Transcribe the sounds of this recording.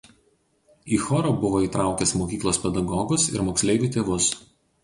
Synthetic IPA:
iːxɔɾoːbʊʋoːiːˑt̪ɾɑˑʊkʲɛsmoːkʲiːklˠoːspʲɛd̪ɐɡɔɡʊsɪ̰ɾmoːksʲlʲɛɪʋʲuːˑt̪ʲeːʋʊs

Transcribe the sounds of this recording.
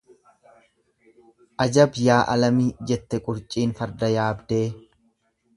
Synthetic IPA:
ʔɐd͡ʒɐbjaːʔɐlɐmiːd͡ʒɛt̪ːɛkʼʊɾt͡ʃʼiːnfɐɾd̪ɐjaːbd̪eː

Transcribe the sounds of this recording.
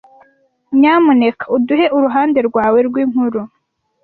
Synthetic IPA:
ɲaːmune̞kʰḁuduɦe̞ʔuɾuɦaːnde̞ɾɡwaːwe̞ɾɡwiːŋ̥huɾu

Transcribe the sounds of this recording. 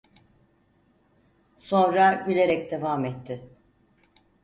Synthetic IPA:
so̞nɾaɟylʲe̞ɾɛcd̪e̞vaːmɛt̪ʰːɪ

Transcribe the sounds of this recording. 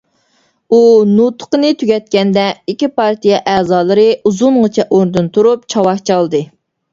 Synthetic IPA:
unut̪ʰʊ̥qənɨt̪ʰyɡʲɛt̪̚kʲɛnd̪ɛikʲipɑɾt̪ijɛʔɛːzɑːlˠɨɾɨuzunʁət͡ʃʰɛʔoɾd̪ɨnt̪ʰuɾup̚t͡ʃʰɑwɑχt͡ʃʰɑlˠd̪ɨ

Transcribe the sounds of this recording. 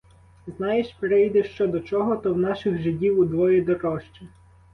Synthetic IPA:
znɑjeʃpɾɪjd̪ɛʃt͡ʃɔd̪ɔt͡ʃɔɦɔt̪ɔwnɑʃɪxʒɪdʲiwud̪ʋɔjɛd̪ɔɾɔʃt͡ʃɪ

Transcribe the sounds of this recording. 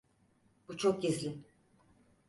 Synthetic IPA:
b̥ut͡ʃʰok̚ɟizlʲi

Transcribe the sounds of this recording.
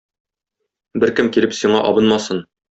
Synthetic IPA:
bɘɾkɘmkiɾɘpsiɴɑʔɒbɤnmɑsɤn

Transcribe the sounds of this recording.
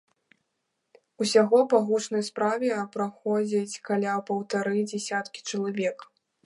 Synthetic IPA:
usʲaɣɔpaɣut͡ʂnɐjspɾavʲɛɐpɾaxɔd͡zʲit͡sʲkalʲapɐwt̪aɾɨd͡zʲɛsʲat̪kʲi̥t͡ʂɐlˠavʲɛk

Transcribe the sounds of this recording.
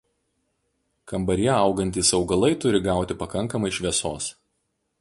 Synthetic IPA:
kɐmbɐɾʲjɛɐˑʊɡɐnʲt̪ʲiːsɒʊɡɐlˠɐɪt̪ʊɾʲɪɡɑˑʊt̪ʲɪpɐkɐŋˑkɐmɐɪʃʲʋʲiɛsoːs

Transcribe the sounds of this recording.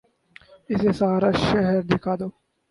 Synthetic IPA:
ɪseːsaːɾaːʃɛɦɛɾd̪ɪkʰaːd̪oː

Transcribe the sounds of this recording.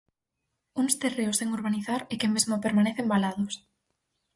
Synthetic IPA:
uŋst̪ereʊseŋoɾβaniθaɾekemezmopeɾmaneθembalaðʊs

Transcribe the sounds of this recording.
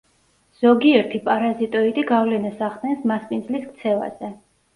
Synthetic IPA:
z̥ɔɡiɛɾt̪ʰipʼaɾazit̪ʼɔit̪ʼiɡavlɛnasaχd̪ɛnsmaspʼind̪zliskt̪sʰɛva̰z̥ɛ

